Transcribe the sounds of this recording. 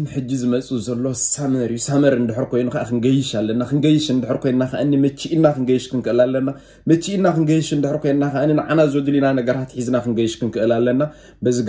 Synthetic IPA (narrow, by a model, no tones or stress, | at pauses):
mħɨd͡ʒːizɨmɐt͡sʼuzɐlːo̞samɐɾjusamɐɾɨnd̪ɨħɾkʰo̞jnukaʔakʰɨŋɡɐjɪʃalːɐnːakɨŋɡɐjɪʃɨnd̪ɨħɾkʰo̞jnnaka̰ʔɨnːimɐt͡ʃːiʔinːakɨŋɡɐjʃkʰɨnkɨʔɨlalːɐnːa | mɐt͡ʃːiʔinːakɨŋɡɐjɪʃɨnd̪ɨħɨɾkʰojnnakaʔɨnːinɨʕanazwod̪ɨlinanɐɡɐɾat̪ħizɨnakɨŋɡɐjɪʃkɨnkʰɨʔɨlalːɐnːa | bɐzɨɡ